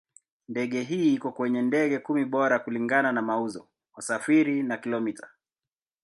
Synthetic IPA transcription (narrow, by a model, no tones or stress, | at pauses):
ndɛɠɛɦiːikɔkwɛɲɛndɛɠɛkumiɓɔɾakuliŋɡananamauzɔ | wasafiɾinakilɔmitʰḁ